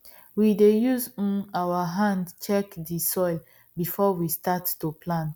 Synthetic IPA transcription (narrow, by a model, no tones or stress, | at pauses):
widejuzawaɦãndt͡ʃɛkdisɔɪl | bifɔwistatːuplãnt